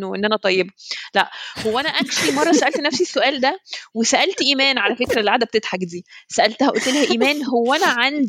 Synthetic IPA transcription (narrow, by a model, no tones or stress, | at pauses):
ʔenːʔænæt̪ˤɑjːebælæʔhowːæʔænæʔænʃimɑrˤːɑsæʔælt̪næfsisːoʔæːld̪æwesæʔælt̪ʔiːmæːnʕalæfekɾælʕaːd̪æb̚et̪et̪ħakd̪iːsæʔælt̪hæʔult̪ːelhæʔiːmæːnhowːænæʕand̪